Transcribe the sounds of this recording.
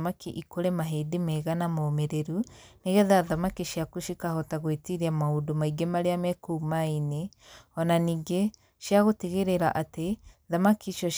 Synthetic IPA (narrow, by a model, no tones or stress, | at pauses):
makiʔikoɾemaɦeːdemɛɣanamoːmeɾeɾu | neɣɛðaðamakiʃjakuʃikahɔtaɣwetiɾiamahodomaiɡemaɾeamɛkumaine | ɔnaniːɡe | ʃjaɣoteɣeɾeɾaʔateðamakiʃɔʃ